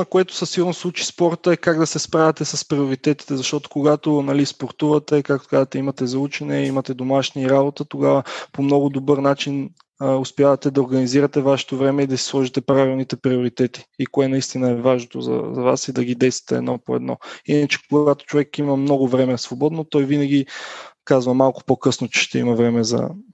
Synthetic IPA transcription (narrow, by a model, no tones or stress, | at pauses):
koɛt̪ʊ̥sɐsiɡʊɾnoslˠut͡ʃi̥spɔɾt̪əɛkaɡd̪ɐsɛspɾavʲət̪ɛsɐspɾioɾit̪ɛt̪i̥t̪ɛzɐʃt̪ɔt̪o̥koɡat̪onɐlispoɾt̪uvɐt̪ɛkakt̪o̥kazət̪ɛimɐt̪ɛzɐut͡ʃɛnɛimɐt̪ɛd̪omaʃniːɾabot̪ət̪oɡavəpomnɔɡʊd̪obɤɾnat͡ʃin | ʊspjavɐt̪ɛd̪ɐoɾɡɐniziɾət̪ɛvaʃɛ̥t̪ovɾɛmɛid̪ɐsi̥slˠɔʒit̪ɛpɾavilˠnit̪ɛpɾioɾit̪ɛt̪i̥ikoɛnɐist̪inəɛvaʒnot̪o̰zɐ̰zɐva̰sid̪ɐɡid̪ɛjst̪və̥t̪ɛ̰d̪nɔpoɛ̰d̪nɔ̰inət͡ʃɛ̥koɡat̪o̥t͡ʃovɛkːimɐmnɔɡʊvɾɛmɛsvobɔd̪not̪ɔjvinɐɡʲikazvɐmalˠkʊ̥pokɤsnot͡ʃɛ̥ʃt̪ɛimɐvɾɛmɛzɐ̰